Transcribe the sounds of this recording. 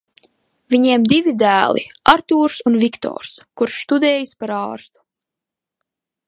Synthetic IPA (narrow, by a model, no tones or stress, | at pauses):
vʲiɲiɛmd̪ivid̪æːlˠḭaɾt̪uːɾsunvikt̪ɔ̰ːɾskuɾʃst̪ud̪ɛːjispaɾɑːɾst̪u̥